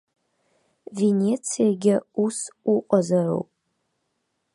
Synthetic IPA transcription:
ve̞nʲe̞t͡sʰijaɡʲɪusuqʷʼazaʕʷo̰wpʼ

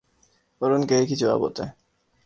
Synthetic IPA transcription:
oɾonkekit͡ɕʰua̰bo̰t̪e

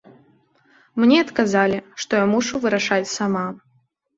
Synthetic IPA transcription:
mnʲɛɐt̪kazalʲiʂt̪ɔjamuʂuvɨɾaʂat͡sʲsama

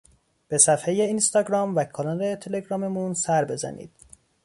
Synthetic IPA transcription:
b̥e̞sæfhejeinst̪ɒːɡɾɒːmvækʰɒlɒɾet̪ʰe̞le̞ɡɾɒːme̞munsæɾbe̞zæ̰nḭːd̪̥

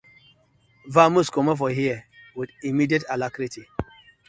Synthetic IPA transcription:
vamuskɔmafɔɦiɛwidimidietalakɾiti

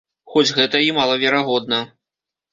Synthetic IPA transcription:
xɔd͡zʲɣɛt̪ɐimalˠɐvʲɛɾaɣɔd̪̚nɐ

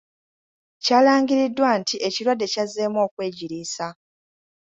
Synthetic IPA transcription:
caːlaːŋɡiɾidːwaːntiʔeciɾwadːe̞cazeːmo̞ːkwe̞ːɟiɾiːsa

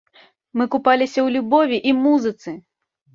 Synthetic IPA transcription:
mɨkupalʲisʲɐwlʲubɔvʲiʔimuzɨt̪sɨ

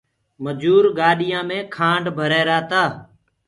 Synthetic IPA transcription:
məd͡ʒuːɾɡaːɗɪjãːmẽːkʰãːɳɖbʱəɾeːɾaːt̪aː

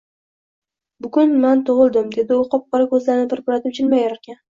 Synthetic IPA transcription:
bʊɡʊnmant̪ʰʊʁɨlˠd̪ɪmd̪e̞d̪ɪʊqʰɒp̚qɑɾakʰɵzlaɾɪnɪpʰɪɾpʊɾat̪ʰɪp̚t͡ʃʰɪlmajaɾɾkʲʰan

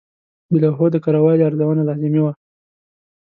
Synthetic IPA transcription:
bɪlaɦod̪əkaɾawɑjd̪aɾzawanalɑzɪmiwa

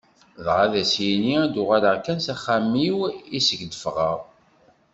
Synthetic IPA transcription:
ðʁaðæsjiniæd̪ʊʁaləʁkænsæχːæmːiwisəɡd̪əfʁəʁ

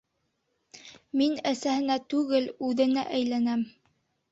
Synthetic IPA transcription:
minæsæhɘ̆næt̪ʉɡɘlʉðɘ̆næ̰ʔæjlænæm

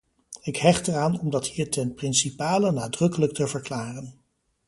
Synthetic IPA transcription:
ɪkɦɛχtəraːnɔmdɑthiːɹtʰɛnprɪnsipaːlənaːdrɵkələktəvəɹklaːrən

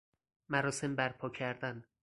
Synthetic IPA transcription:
mæɾɒːse̞mbæɾpʰɒːcʰæɾd̪æn

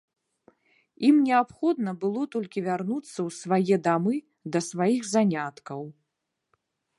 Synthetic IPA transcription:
imnʲɛapxɔd̪nɐbɨlˠɔt̪ɔlʲkʲivʲarnut̪sːɐwsvajɛd̪amɨ | d̪ɐsvajiɣzanʲat̪kɐw

